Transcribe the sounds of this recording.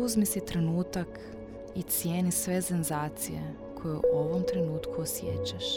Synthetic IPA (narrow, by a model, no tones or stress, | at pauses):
uzmisit̪ɾe̞nuːt̪ak | it̪sje̞ːnisʋe̞senzaːt̪sijḛ | kʰo̞juoʋomt̪ɾe̞nuːt̪kʰuosjḛt͡ɕaʃ